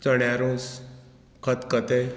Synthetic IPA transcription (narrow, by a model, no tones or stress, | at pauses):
t͡səɳjaɾũs | kʰət̪kət̪e